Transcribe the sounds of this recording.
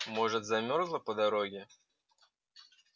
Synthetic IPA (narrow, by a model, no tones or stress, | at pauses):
mɔʐɨt̪zɐmʲɔrzlˠəpəd̪ɐɾoɡʲɪ